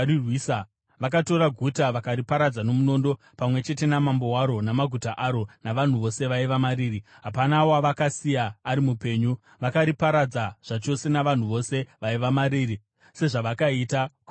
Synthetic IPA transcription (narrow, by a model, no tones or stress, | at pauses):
irwiːsa | ʋak̬ato̞ɾaɡʱutaʋakaɾipaɾad͡zano̞muno̞ndo̞ | pamwe̞t͡ʃe̞te̞namambo̞waɾo̞namaɡʱutaʔaɾo̞naʋan̤uʋo̞se̞ʋaiʋamaɾiːri | ɦapanawoaʋakasijaːɾimupe̞ːɲu | ʋakaɾipaɾad͡zaʐ̥at͡ʃo̞se̞naʋan̤uʋo̞se̞ʋaiʋamaɾiːri | se̞ʐaʋakaitaku